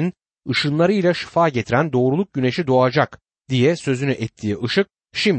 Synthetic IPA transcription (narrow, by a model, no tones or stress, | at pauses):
n | ɯʃɯnlˠaɾɯjlʲaʃi̥faːɟe̞t̪ʰiɾænd̪o̞ːɾulˠuk̚ɟyne̞ʃid̪o̞ad͡ʒak | d̪ijɛsø̞zynyʔɛt̪ʰːiːʔɯʃɯk̚ | ʃim